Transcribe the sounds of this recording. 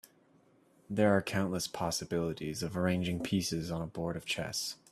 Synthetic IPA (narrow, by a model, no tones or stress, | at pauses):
ðə˞ːkʰãʊ̃nʔləspʰɑsɨbɪlˠəɾizʌvə˞ẽɪ̃nd͡ʒɪ̃ŋpʰisɨzn̩əbɔɹɾʌv̥t͡ʃʰɛ̰s